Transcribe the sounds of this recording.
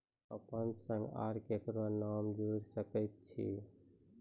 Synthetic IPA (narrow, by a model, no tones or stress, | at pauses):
əpənsə̃ŋɡa̰ːɾkekɾonaːmd͡ʒuɾsəkət̪̚t͡ʃʰḭ